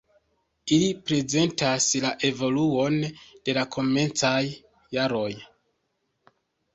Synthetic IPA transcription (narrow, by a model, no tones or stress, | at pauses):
ilipɾe̞ze̞ntaslaʔe̞vo̞luo̞nd̥e̞lakʰo̞me̞nt͡sajː | aɾo̞j